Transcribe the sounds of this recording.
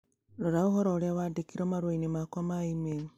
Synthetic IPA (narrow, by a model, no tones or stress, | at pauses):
ɾoɾauɦoɾoːɾeaβadekiɾomaɾwainemakamaimeno